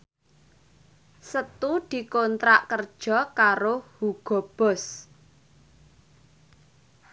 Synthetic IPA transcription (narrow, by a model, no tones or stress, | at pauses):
sət̪ud̪̥i̤kont̪ɾaʔkərd̥ʒ̥ɔ̤kaɾohuɡ̥ɔ̤b̥ɔ̤s